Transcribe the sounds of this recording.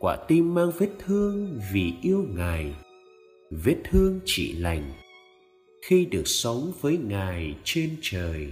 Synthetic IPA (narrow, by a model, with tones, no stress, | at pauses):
kwa̰ː˧˩t̪i˧mːaː˧ŋve˦˥t̚t̪ʰɨ˧əŋvi˨˩ʔi˧əwŋaː˨˩j | ve˨˦˥t̚t̪ʰɨ˧əŋt͡ɕḭ˧˨la̰˨˩jŋ̟ | xi˧ɗɨ˨˩ək̚sə˨˦wŋ͡mvəː˨˦jŋaː˨˩jt͡ɕe˧nt͡ɕəː˨˩j